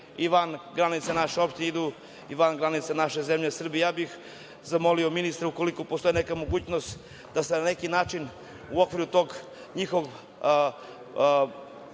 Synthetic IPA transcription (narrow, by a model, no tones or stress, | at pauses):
iʋanɡɾanit̪sanaʃeo̞pʃt̪inɲeid̪u | iʋanɡɾanit̪sanaʃezemʎesr̩bijjaːbix | zamo̞liominist̪ɾeuko̞likopost̪o̞ine̞kamo̞ɡuːt͡ɕnost̪ | d̪asenane̞kinaːt͡ʂin | uokʋiɾut̪o̞ɡ | ɲixoɡ